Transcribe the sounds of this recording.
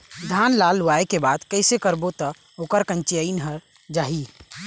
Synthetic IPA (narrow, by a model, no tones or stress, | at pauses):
d̪ʱanlalːuaekebad̪kəɪsekəɾbot̪ɔ | okəɾkə̃nt͡ʃiəinɦəɾ | d͡ʒaɦi